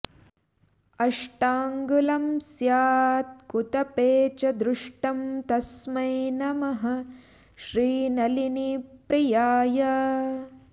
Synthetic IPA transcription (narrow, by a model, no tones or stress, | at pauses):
ɐʂʈaːŋɡulɐmsjaːt̪̚kut̪ɐpeːt͡ʃɐd̪ɾʊʂʈɐmt̪ɐsmɐjnɐmɐɦɐ̆ | ʃɾiːnɐliniːpɾijaːjɐ